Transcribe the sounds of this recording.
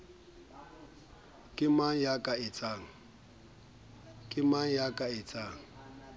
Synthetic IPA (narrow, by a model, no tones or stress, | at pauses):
kʼɪmajakʼaɪt͡sʼaːŋ̩ | kʼɪmajakʼaɪt͡sʼaːŋ̩